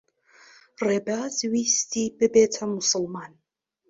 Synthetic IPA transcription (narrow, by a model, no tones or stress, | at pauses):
reːbazwistʰiːbɨbeːtʰɐmʊsɨlmaːn